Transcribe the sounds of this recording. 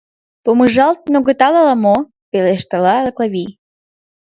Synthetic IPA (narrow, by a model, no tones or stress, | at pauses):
pomɨʒɑlˠt̪̚noɣɤt̪ɑlˠɑlˠɑmo | peleʃt̪ɑlɑləklˠaβʲij